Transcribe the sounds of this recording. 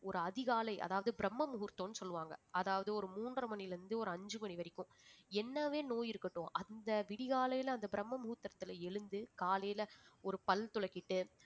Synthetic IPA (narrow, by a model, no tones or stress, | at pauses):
ɔɾɯɐðɪɣaːlɐɪʔɐ̰ðaːʋɐðɯbɪɾɐmːɐmʊɣʊɾt̪ːõːnːɯsɔlːɯʋaːŋɡɐɐðaːʋɐðɯɔɾɯmuːnɖrɐmɐɳɪlɐɾnd̪ɯɔɾɯɐɲd͡ʒɯmɐɳiʋɐɾɪkːʊ̃ | ɛnːɐʋeːnoːjɪɾɯkːɐʈːõːʔɐnd̪ɐʋɪɽɪɣaːlɐjɪlɐɐnd̪ɐbɪɾɐmːɐmʊɣɯɾt̪ːɐɾɐt̪ːɪlɐɛɻɯnd̪ɯkaːlɐjɪlɐɔɾɯpɐlt̪ʊlɐkːɪʈːɯ